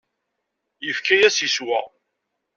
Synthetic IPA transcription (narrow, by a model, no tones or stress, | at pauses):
jəfkæjæsiswæ